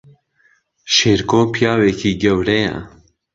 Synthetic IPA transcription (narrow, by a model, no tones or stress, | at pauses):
ʃeːɾkoːpʰijaːwekʰiːɡɛwɾɛjɛ̰